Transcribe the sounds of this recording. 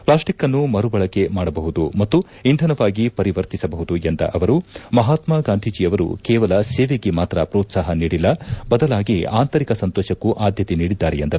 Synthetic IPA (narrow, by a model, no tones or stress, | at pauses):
plaːsʈikːɐnːumɐɾubɐɭɐkːe̞maːɽɐbɐɦud̪umɐt̪ːu | ind̪ʱɐnɐʋaːɡipɐɾiʋɐɾt̪isɐbɐɦud̪uend̪ɐ̰ʔɐʋɐɾumɐɦaːt̪maɡaːnd̪ʱid͡ʒiɐʋɐɾṵkɛːʋɐlɐseːʋeɡemaːt̪ɾɐpɾoːt̪saːɦɐniːɽilːɐbɐd̪ɐlaːɡia̰ːnt̪ɐɾikɐsɐnt̪ɔːʃɐkːuʔaːd̪ʱjɐt̪eniːɽid̪ːaːɾejend̪ɐɾu